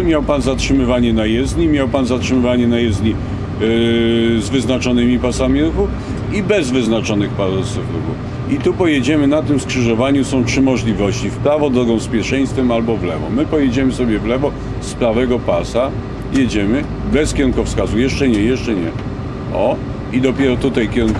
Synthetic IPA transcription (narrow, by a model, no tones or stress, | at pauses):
mʲjawpanzatʂɘmɘvaɲɛnajɛzɲimʲjawpanzatʂɘmɘvaɲɛnajɛzɲi | zvɘznat͡ʂɔnɘmʲipasamʲiɾuɡu | ibɛzvɘznat͡ʂɔnɘxpasufɾ̰ɡṵ | it̪upɔjɛd͡ʑɛmɘnat̪ɘmskʂɘʐɔvaɲusɔ̃w̃tʂɘmɔʐlʲivɔɕt͡ɕifpɾavɔd̪ɾɔɡɔ̃w̃spʲjɛʂɛj̃st̪fɛmalbɔvlɛvɔ̰mɘpɔjɛd͡ʑɛmɘsɔbʲjɛvlɛvɔ | spɾavɛɡɔpasa | jɛd͡ʑɛmɘ | bɛskʲɛɾuŋkɔfskazujɛʂt͡ʂɛɲɛjɛʂt͡ʂɛɲɛ | ɔ | id̪ɔpʲjɛɾɔt̪ut̪ajkʲɛɾu